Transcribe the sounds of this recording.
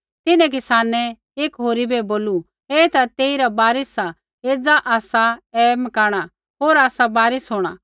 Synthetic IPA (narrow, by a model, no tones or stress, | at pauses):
t̪ɪnɛ̃k̬ɪsaːnɛ | eːkɦoːɾibɛboːlu | ɛt̪at̪eːiɾabaːɾɪsa | eːd͡zaʔaːsaɛmɐkaːɽ̃a | ɦoːɾaːsabaːɾɪsɦoːɽ̃a